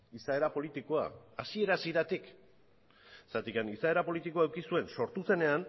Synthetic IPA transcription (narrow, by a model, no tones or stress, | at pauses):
isae̞ɾapo̞lit̪iko̞a̰asie̞ɾasiɾat̪ik | sat̪ikanisae̞ɾapo̞lit̪ikoaewkisue̞nso̞ɾt̪use̞ne̞an